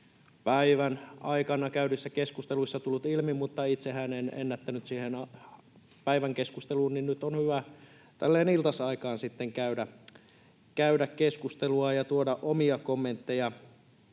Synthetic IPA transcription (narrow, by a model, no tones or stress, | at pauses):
pæiʋænɑikɑnɑkæyɾisːækeskust̪eluisːɑt̪ulːut̪ilmimut̪ːɑit̪sehænenḛnːæt̪ːænyt̪siːhenɑ | pæiʋæŋkeskust̪eluːnninnyt̪onhyʋæ | t̪æ̰lːeːnilt̪ɑsɑikɑːnsit̪ːeŋkæydæ | kæydækkeskust̪eluɑjɑt̪uodɑʔomiɑkomːent̪ːejɑ